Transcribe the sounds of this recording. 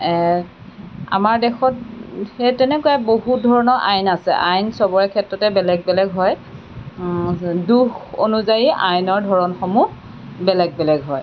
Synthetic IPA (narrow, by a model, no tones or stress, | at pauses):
ɛ | a̰maɹdɛxɔtɛtɛnɛkujaboɦutdʱɔɹɔnɔʔajnasɛ̰ʔajnsɔbɔɹɛkʰɛtɹɔtɛbɛlɛɡ̚bɛlɛɡɦɔj | duxo̰nuzajiajnɔɹdʱɔɹɔnxɔmu | bɛlɛɡ̚bɛlɛɡɦɔj